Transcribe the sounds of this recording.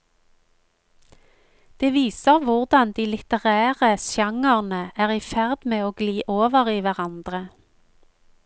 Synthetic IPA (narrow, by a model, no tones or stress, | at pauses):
d̪̥eːʋiːsəʁʋʊʁd̪ɑnd̪iːlɪt̪əʁæːʁəsjɑŋəʁnəæːʁiːfæʁd̪meːoːɡliːʔoːʋəʁiːʋæʁɑnd̪ʁə